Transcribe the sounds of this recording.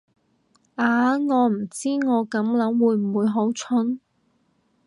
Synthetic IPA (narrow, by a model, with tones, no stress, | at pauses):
ʔaː˨˧ŋɔː˨˧m̩˨˩t͡siː˥ŋɔː˨˧kɐ˨˥mlɐ˨˥ŋwuː˨˧jm̩˨˩wuː˨˧jɦo˨˥wt͡ʃʰʊ˥n